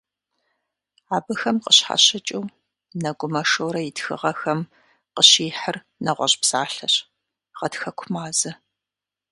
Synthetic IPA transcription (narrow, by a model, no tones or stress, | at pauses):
aːbɐxɐmqəɕħa̰ɕɐt͡ʃʼuw | nɐɡʷʊmɐʂowɾɐjɪtxɨ̰ʁɐxɐm | qəɕiːħər | nɐʁʷɔɕʼpz̥aːɬɐɕ | ʁɐtxɐkʷʰʊmaːzɐ